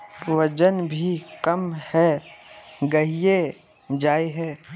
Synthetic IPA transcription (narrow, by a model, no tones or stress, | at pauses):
ʋɐd͡ʒənbʱikɐmhɛ | ɡɐɦije | d͡ʒaːeɦɛː